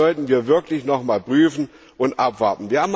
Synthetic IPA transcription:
ɔltn̩viːɐvɪɐklɪçnɔχmaːlpʁ̥yːfn̩ | ʔʊntʔapv̥aɐtn̩viːɐhaːm

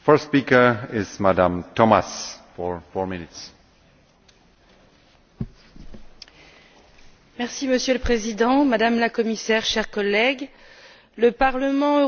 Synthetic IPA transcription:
fɜ˞stspikə˞ɪzmadãmtʰɔmasfɔɹfɔɹmɪnɪts | mɛʁsiməsjøləpχezid̪ɑ̃mad̪amlakɔmisɛʁʃɛʁkɔlɛɡ | ləpaʁləmɑ̃ø

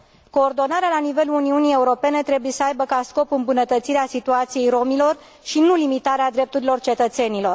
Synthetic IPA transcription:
ko̞ːrd̪o̞naɾealanive̞luuniunije̞uɾo̞pe̞ne̞t̪ɾe̞buje̞səajbəkasko̞pɨmbunət̪ət̪siɾeasit̪uat̪sije̞jɾo̞milo̞r | ʃinulimit̪aɾead̪ɾe̞p̚t̪uɾilo̞rt͡ʃe̞t̪ət̪se̞nilo̞r

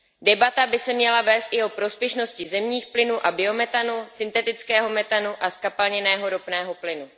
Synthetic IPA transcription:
dɛbat̪abɪsɛmɲɛlavɛːst̪ʔɪo̞pɾo̞spjɛʃno̞scɪzɛmɲiːxplɪnuːʔabɪo̞mɛt̪anusɪnt̪ɛt̪ɪt͡skɛːɦo̞mɛt̪anuʔaskapalɲɛnɛːɦo̞ɾopnɛːɦo̞plɪnu

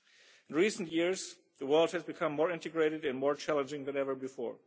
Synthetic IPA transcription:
ɪ̃nɹiːsntjɪɹz | ðəwɜ˞lˠd̚hɨzbɨkʰʌ̃mːɔɹɪ̃ntɨɡɹeɪɾɨdɨ̃nmɔɹt͡ʃʰælˠə̃nd͡ʒɪ̃ŋðɛ̃nɛvə˞bɨfɔ̰ɹ

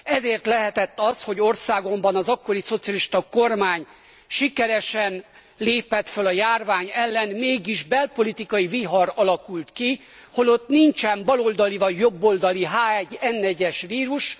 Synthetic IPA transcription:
ɛzeːrt̪lɛɦɛt̪ɛt̪ːɒsho̞ɟo̞rsaːɡo̞mbɒnɒzɒkːo̞ɾiso̞t̪sijɒliʃt̪ɒko̞rmaːɲ | ʃikɛɾɛʃɛn | leːpɛt̪følɒjaːrvaːɲɛlːɛnmeːɡiʒbɛlpo̞lit̪ikɒjiviɦɒɾɒlɒkult̪ki | ho̞lo̞t̪niɲt͡ʃɛmbɒlo̞ld̪ɒlivɒɟjobːo̞ld̪ɒliɦaːɛɟːɛnːɛɟɛʃʋiːɾuʃ

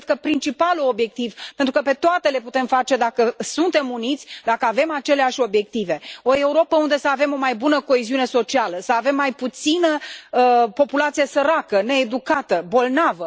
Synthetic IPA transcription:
d̪kəpɾint͡ʃipaluo̞bje̞k̚t̪ivpe̞nt̪ɾukəpe̞t̪oat̪e̞le̞put̪e̞mfat͡ʃe̞d̪akəsunt̪e̞munit̪sʲd̪akəave̞mat͡ʃe̞leaʃʲo̞bje̞k̚t̪ive̞o̞e̞uɾo̞pəund̪e̞səave̞mo̞majbunəko̞eziune̞so̞t͡ʃialəsəave̞mːajput̪sinə | po̞pulat̪sijesəɾakəne̞ːd̪ukat̪əbo̞lnavə

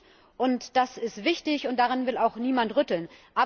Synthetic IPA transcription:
ʔʊntd̥asɪstv̥ɪçtɪçʊntd̥aʁɪnvɪlaʊxniːmantʁʏtl̩nʔaː

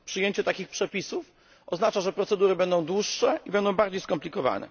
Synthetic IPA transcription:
pʂɨjeɲt͡ɕɛt̪akʲixpʂɛpʲisuf | ɔznat͡ʂaʐɛpɾɔt̪sɛd̪uɾɘbɛnd̪ɔ̃w̃d̪wuʂːɛʔibɛnd̪ɔ̃w̃baɾd͡ʑejskɔmplʲikɔva̰nɛ̰

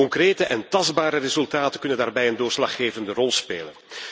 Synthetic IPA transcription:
ɔŋkreːtəʔɛntɑzbaːɾərezɵlˠtaːtəkɵnəndaːrbɛjəndoːrslɑχeːvəndərɔlˠspḛːlən

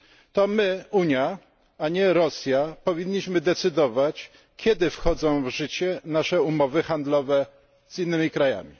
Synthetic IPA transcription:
t̪ɔmɘuɲja | aɲɛɾɔsʲjapɔvʲiɲːiɕmɘd̪ɛt̪sɘd̪ɔvat͡ɕ | kʲʰɛd̪ɘfxɔd̪zɔ̃w̃vʐɘt͡ɕɛnaʂɛumɔvɘxand̪lɔvɛ | z̥inːɘmʲikɾaja̰mʲi

